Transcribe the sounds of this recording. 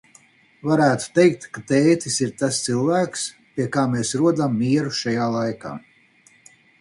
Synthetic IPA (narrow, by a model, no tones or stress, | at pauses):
vaɾæːt̪u̥t̪ejk̚t̪kat̪eːt̪isiɾt̪ast̪silˠvæːks | pʲiɛkaːmeːsɾuɔd̪amːiɛɾuʃajaːlˠajka̰ː